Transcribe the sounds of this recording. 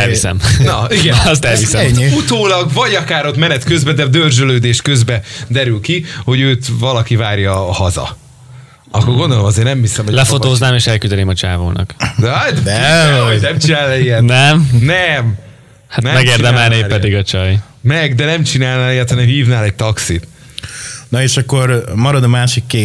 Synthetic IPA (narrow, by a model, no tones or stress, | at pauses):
ɛlisɛ̰mnɒiɡɛst̪ɛlvisɛfut̪oːlɒɡvɒɟɒkaːɾo̞t̪mɛnɛt̪køzbɛd̪ɛd̪ørzøløːd̪eːʃkø̞zbɛd̪ɛɾylkiho̞ɟøːt̪vɒlɒkivaːrjɒːhɒzɒ̰ | ɒkːorɡo̞nd̪o̞lo̞mɒzeːrnɛmhisɛmholɛfo̞t̪oːznaːmeːʃɛlkyzɛleːmɒt͡ʃa̰ːvo̰ːnɒ̰k̪ | ɛonɛmt͡ʃinaːliɛnɛmnɛm | hatnɛmɛɡeːrid̪ɛmɛlneːpɛd̪iɡɒt͡ʃɒj | mɛɡd̪ɛnɛmt͡ʃinaːlnaːljaːt̪hɒnɛmhiːvnaːlɛɟ̚t̪ɒksit̪ | nɒeːʃɒkːo̞ɾmɒɾɒd̪ɒmaːʃikːeː